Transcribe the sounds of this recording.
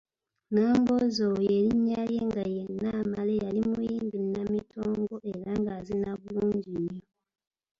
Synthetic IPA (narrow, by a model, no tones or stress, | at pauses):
naːmbozojeliɲːaljeŋɡajenːamale̞jalimujiːmbinamitʰoːŋɡo̞ʔe̞ɾaŋɡazinaβuluːɲɟiɲo